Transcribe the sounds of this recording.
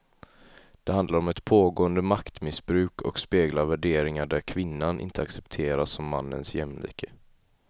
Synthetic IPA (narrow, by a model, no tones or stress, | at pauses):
d̪̥ɛhand̪laɾɔmɛt̪pʰoːɡoːənd̪əmakt̪mɪsbɾʉ̟ːkʰɔ̰kspeːɡlaɾvæɖeːɾɪŋaɖæɾkʰvɪnːanʔɪ̰nt̪əaksɛpt̪ʰeːɾasːɔmːa̰nːə̰nsjɛmlḭːkʰə